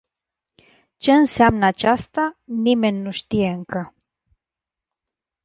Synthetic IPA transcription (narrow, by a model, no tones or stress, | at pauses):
t͡ʃe̞ɨnseamnəat͡ʃast̪anime̞nʲːuʃt̪ije̞ɨŋkə